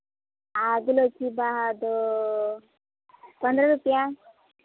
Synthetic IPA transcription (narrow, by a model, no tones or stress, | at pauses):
aɡlokibaɦad̪o | pənd̪ɾəɾupja